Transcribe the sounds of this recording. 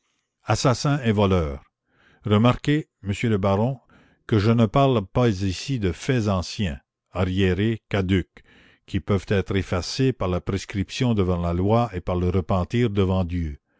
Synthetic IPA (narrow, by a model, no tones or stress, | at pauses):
asasɛ̃ɛvɔlœːʁ | ʁəmaʁkeməsjøləbaʁɔ̃ | kəʒənəpaʁlpazisid̪əfɛzɑ̃sjɛ̃ | aʁjɛʁekad̪ykʰː | ipœv̥t̪ɛːt̪ʁefasepaʁlapɾeskɾipsjɔ̃d̪əvɑ̃lalwaepaʁləʁəpɑ̃t̪iːʁd̪əvɑ̃d̪jø